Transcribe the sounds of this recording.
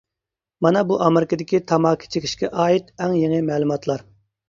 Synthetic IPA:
mɑnɑbuʔɑmeɾɪkəd̪ɪkʲit̪ʰɑmɑːkʲʰi̥t͡ʃʰekʲʰi̥ʃkʲɛʔɑːit̪ɛŋjeŋɪmɛːlˠumɑt̪ʰlˠɑɾ

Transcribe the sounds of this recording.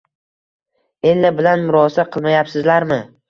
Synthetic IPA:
e̞nlɪbɪlanmʊɾɒsaqʰɨlˠmajapsɪzlaɾmɪ

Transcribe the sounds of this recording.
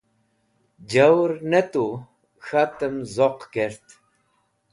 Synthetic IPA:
d͡ʑawɾnet̪u | xat̪əmzoqkeɾt̪

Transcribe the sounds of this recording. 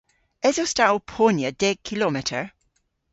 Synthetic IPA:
ɛzostaʔopʰonjəd̥ɛɡ̚kʰilɔmɪtʰəɹ

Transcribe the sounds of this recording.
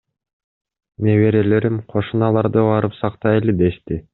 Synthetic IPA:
neβe̞ɾele̞ɾimqʰo̞ʃunɑlˠɑɾd̪ɯβɑɾɯpsɑqt̪ɑjeled̪e̞ʃt̪i

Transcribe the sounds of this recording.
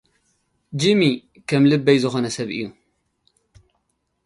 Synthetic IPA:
d͡ʒɨmi | kʰɐmlɨbːɐjzɨxo̞nɐsɐβʔɨ̰jːu

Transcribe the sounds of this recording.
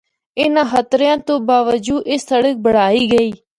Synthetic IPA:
ɪnãːxət̪ɾjãːt̪õːbaːʋəd͡ʒuːʔɪsːəɽək̚bəɽ̤aːiːɡəiː

